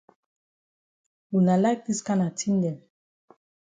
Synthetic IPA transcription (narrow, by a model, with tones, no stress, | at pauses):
u˨na˨la˦k̚ti˦ska˦na˨tʰi˦n˦dɛ˨n